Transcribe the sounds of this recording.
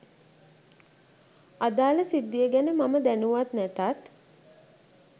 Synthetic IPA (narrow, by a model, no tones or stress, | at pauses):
ad̪aːləsid̪ːijəɡænəmaməd̪ænuʋat̪næt̪at̪